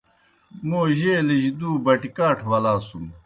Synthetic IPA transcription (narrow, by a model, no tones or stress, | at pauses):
moːʑeːliʑd̪uːbɐʈikaːʈʰwɐlaːsum